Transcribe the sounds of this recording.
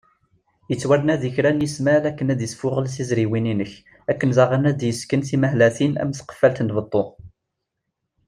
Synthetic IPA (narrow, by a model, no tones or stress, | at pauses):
jət͡sːwæɾnæðiçɾænjəsmælækːənæd̪jəsfʊʁəlsizɾiwininəç | ækːənzɑʁənæd̪jəskənθimæɦlæθinæ̰mθqə̥fːælt̪ənt̪bət̪ˤːo